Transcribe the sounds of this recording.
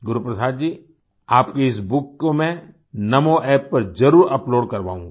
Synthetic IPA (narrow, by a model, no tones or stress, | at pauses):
ɡʊɾupɾɐsaːd̪̚d͡ʒiː | aːpkeɪsbʊkːomɛ̃ | nɐmoʔɛːpːɐɾd͡ʒɐɾuːɾɐploːɖkɐɾʋa̰ːũŋ